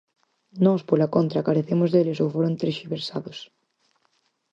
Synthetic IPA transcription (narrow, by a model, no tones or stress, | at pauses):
nɔspolakont̪ɾakaɾeθemʊzðelɪsowfoɾont̪ɾeʃiβeɾsaðʊs